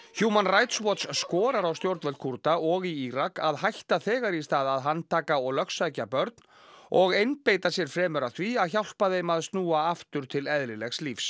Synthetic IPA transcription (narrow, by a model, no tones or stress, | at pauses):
çuːmanrajt̪swɔt̪sːkɔːɾaɾawst̪jowɾt̪vɛlt̪̚kʰuɾt̪aʔɔɣiiɾakaðɦajht̪aθɛːɣaɾist̪aːðaðɦanːt̪ʰaːkaɔɣlœxsajcapœɾt̪n̥ | ɔɣejnpejt̪asjɛɾ̥fɾɛːmœɾaθviaðçawl̥paðejmaðst̪nuːaaft̪ʏɾ̥t̪ʰɪlɛðɾɪlɛxslifs